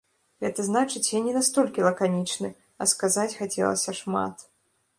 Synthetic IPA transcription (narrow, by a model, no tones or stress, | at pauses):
ɣɛt̪ɐznat͡ʂɨt͡sʲjanʲɛnast̪ɔlʲkʲilˠɐkanʲit͡ʂnɨ | ɐ̰skazat͡sʲxat͡sʲɛ̰lˠɐ̰sʲɐʂma̰t̪